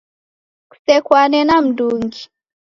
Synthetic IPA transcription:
ku̥sɛkwanɛnam̩duŋɡi

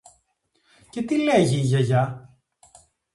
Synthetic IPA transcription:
ce̞t̪ileʝiʝɐʝɐ

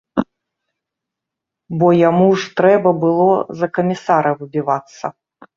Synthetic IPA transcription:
bɔjamuʐt̪ɾɛbɐbɨlˠɔzɐkɐmʲisaɾɐwɨbʲivat̪sːɐ̰

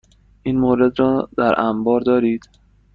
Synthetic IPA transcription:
ʔiːnmoɾe̞d̪ɾɒːd̪̥æɾʔæmbɒːɾd̪ɒːɾiːd̪̥

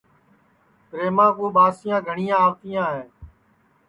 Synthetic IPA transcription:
kɾeːmãːkõːɓaːsɪjãːɡʱəɳɪːjãːʋt̪ɪjãːɦẽː

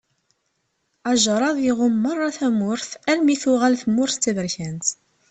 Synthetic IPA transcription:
aʒɾˤɑðˤjiʁʊmːɑrˤːɑθæmʊɾθælmiθuʁælθmʊɾθːævəɾçænt̪

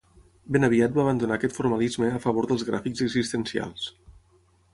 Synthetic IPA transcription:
benəβiat̪̚baːβ̞ənd̪unaːkɛt̪fuɾmalizməːfəβ̞oɾðəlˠzɣɾa̰fikzəɡzist̪ənsia̰lˠs

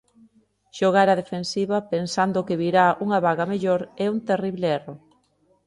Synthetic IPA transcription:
ʃoɣ̞aɾɐðefensiβɐpensand̪ʊkeβiɾauŋɐβaɣameʎoɾɛunt̪eriβleero

